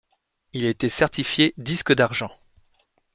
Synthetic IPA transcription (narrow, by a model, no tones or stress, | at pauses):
ilet̪ɛsɛʁt̪ifjed̪iskəd̪aʁʒɑ̃